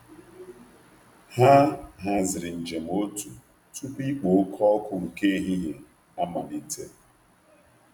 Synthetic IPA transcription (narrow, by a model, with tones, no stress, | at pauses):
ha˦ɦa˦zɪ˨ɾɪ˨n̩˨d͡ʒe˨m̩˨o˦tu˨ | tu˦pi˦k͡po˨˦kʰɔ˦kʊ˨ŋ̩˨ke˦ɦi˦ɲe˨ | a˦ma˨ni˨˦tʰe˦